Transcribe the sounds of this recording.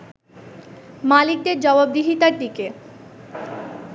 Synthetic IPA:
malik̚d̪eɾd͡ʑɔbab̚d̪iɦit̪aɾd̪ike

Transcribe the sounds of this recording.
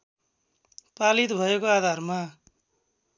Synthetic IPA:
palit̪bʱʌekoad̪ʱarma

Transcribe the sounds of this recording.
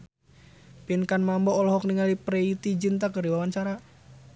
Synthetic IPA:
pinkanmambɔːlɔɦɔk̚niŋalipɾeit̪id͡ʒint̪akərdiwawant͡ʃaɾa

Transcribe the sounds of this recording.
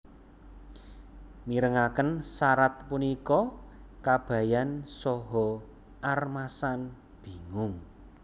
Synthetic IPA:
miɾəŋakənsaɾat̪̚punikɔkab̥ä̤jansɔɦɔ | armasan | b̥i̤ŋʊŋ

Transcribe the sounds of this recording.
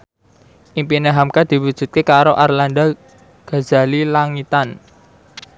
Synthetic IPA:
ʔimpineɦamkad̪̥i̤wud̥ʒ̥ṳt̪̚kekaɾoʔarland̪a | ɡ̥a̤z̥a̤lilaŋit̪an

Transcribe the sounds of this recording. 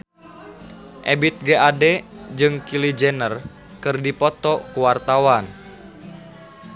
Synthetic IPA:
ʔebit̪̚ɡeʔadɛd͡ʒɨŋkilid͡ʒɛnər | kɨrdipɔt̪ɔkuwart̪awan

